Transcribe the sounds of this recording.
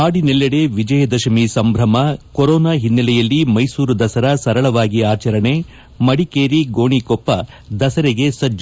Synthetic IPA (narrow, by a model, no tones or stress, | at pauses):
aːɽinɛlːɐɽeʋid͡ʒɐjɐd̪ɐʃɐmisɐmbʱɾɐmɐkɔɾɔːnaːɦinːɐlɛjɐlːimɐjsuːɾud̪ɐsɐɾɐsɐɾɐɭɐʋaːɡiaːt͡ʃɐɾɐɳe | mɐɽikeːɾiɡoːɳikɔpːɐ | d̪ɐsɐɾeɡe̞sɐd͡ʒ